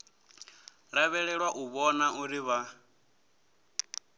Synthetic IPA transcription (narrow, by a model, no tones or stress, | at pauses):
ɺaβɛɺɛɺwaʔuβɔnaʔuɾiβa